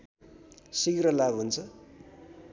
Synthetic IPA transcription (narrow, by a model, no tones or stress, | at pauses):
sikrʌlabɦunt͡sʰʌ